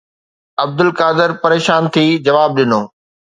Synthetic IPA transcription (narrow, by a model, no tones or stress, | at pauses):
ɐb̚d̪ɪlkaːd̪ɪɾpɐɾeːʃaːnt̪ʰiːd͡ʑɐʋaːb̚ɗɪnoː